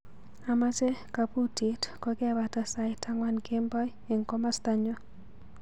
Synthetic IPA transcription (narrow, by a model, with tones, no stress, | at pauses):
a˨ma˦t͡ʃɛ˦ka˨pu˦ti˨tkɔ˦kɛ˦βa˨ta˦sa˨jta˦ŋwa˦nke˦mbɔ˦j | i˨ŋkɔ˦ma˦st̪a˦ɲɔ˦